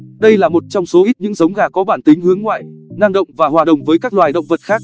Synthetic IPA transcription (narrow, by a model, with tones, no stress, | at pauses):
ɗə˧jlaː˨˩mo˨˩t̚t͡ɕɔ˧wŋ͡mso˨˦ʔi˦˥t̚ɲɨ̰˧˥ŋzə˨˦wŋ͡mɣaː˨˩kɔ˨˦ɓaː˧˩nt̪ï˨˦ŋ̟hɨ˨˦əŋːwa̰ː˧˨jna˧ŋɗə̰˧˨wŋ͡mvaː˨˩hɦwaː˨˩ɗə̰˨wŋ͡mvəː˨˦jkaː˦˥k̚lwaː˨˩jɗə̰˧˨wŋ͡mvə˨˩t̚xaː˦˥k̚